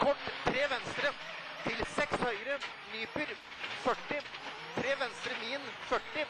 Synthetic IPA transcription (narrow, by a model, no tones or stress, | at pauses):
kʰɔʈːt̪ʰːɾeːʋɛnst̪ɾə | t̪ʰɪlsɛkshœʏɾə | nyːpʉɾ | fœʈːɪ | t̪ʰɾeːʋɛnst̪ɾəniːənfœʈːɪ